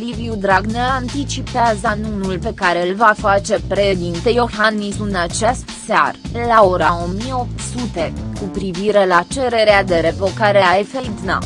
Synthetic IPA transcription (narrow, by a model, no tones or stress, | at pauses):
liviud̪ɾaɡnelant̪it͡ʃipeazənunulpe̞kaɾe̞lvafat͡ʃe̞pɾeʃd̪int̪ejo̞xanːisɨnat͡ʃest̪sea̰rlao̞ɾao̞mijeo̞p̚t̪sut̪e̞kupɾiviɾe̞lat͡ʃe̞ɾe̞ɾead̪e̞ɾe̞vo̞kaɾeaefed̪na̰